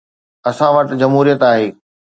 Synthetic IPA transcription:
ɐsãʋɐʈd͡ʑɐmɦuːɾijət̪aːɦeː

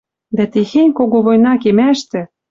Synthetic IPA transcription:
d̪æt̪exenʲkoɣoβojnɑkemæʃt̪ɘ̆

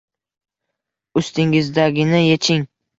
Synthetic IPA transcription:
ʊst̪ɪŋɪzd̪aɡʲɪnɪjet͡ʃʰɪŋ

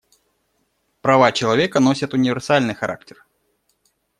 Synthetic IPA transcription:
pɾɐvat͡ɕɪlˠɐvʲekəno̞sʲət̪ʊnʲɪvʲɪrsalʲnɨjxɐɾʔa̰k̚tʲɪr

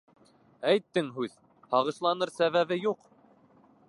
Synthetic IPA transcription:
æjt̪ːɘŋɦʉð | hɑʁɤ̆ʃlˠɑnɤɾsæβæβɘjuq

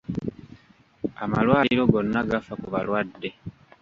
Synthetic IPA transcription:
amalwaːiɾo̞ɡo̞nːaɡafakuβalwadːe̞

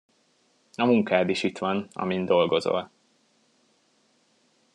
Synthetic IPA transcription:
ɒmuŋkaːd̪iʃit̪ʋɒnɒ̰mind̪o̞lɡo̞zo̞̰l

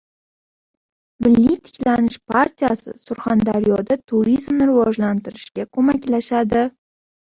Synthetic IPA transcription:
mɪlːijt̪ʰɪ̥kʲlanɪʃpʰaɾt̪ʰijasɪ̰sʊɾχand̪aɾjɒd̪at̪ʰuɾizmnɪɾɪvɒʒlant̪ɪɾɪʃɡʲakʰɵmakʲlaʃad̪ɪ

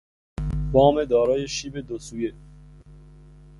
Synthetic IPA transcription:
bɒːmed̪ɒːɾɒːjeʃiːbed̪osuːje

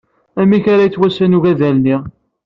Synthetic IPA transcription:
æmːiçaɾajt͡sːwæsænuʝæðælni

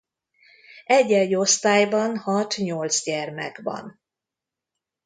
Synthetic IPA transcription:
ɛɟːɛɟo̞st̪aːjbɒnhɒt̪ɲo̞lt̪zɟɛrmɛ̰ɡbɒ̰n

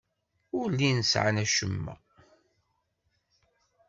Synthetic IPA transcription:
ʊɾlːinəsʕa̰næʃəmːæ̰

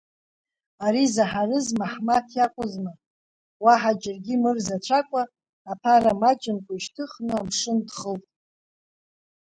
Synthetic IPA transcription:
aɾizaħarɨzmaħmatʰjakʷʼʊzmɨ | waħad͡ʒɪrɡʲimɨrzat͡ʃʷʰakʷʼaː | pʰaɾamad͡ʒʼɪnkʷʼaiʃtʰɨχnɨamʂɨndχəltʼ

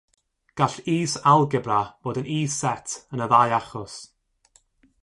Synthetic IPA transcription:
ɡ̥aɬiːsalˠɡɛbrav̥oːdəniːsɛtʰənəðajaχɔs

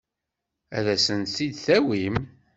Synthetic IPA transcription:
æ̰ðæsənt̪θid̪θæwim

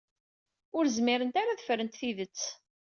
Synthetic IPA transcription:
ʊɾzmɪɾənt̪aɾaðəfɾənt̪θiðət͡sː

